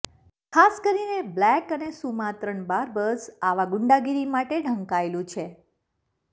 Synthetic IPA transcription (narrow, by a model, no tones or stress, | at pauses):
kʰaskəɾineblɛkənesumat̪ɾəɳbaɾbəsaʋaɡʊɳɖaɡiɾimaʈeɖʱəŋkaelũt͡ʃʰe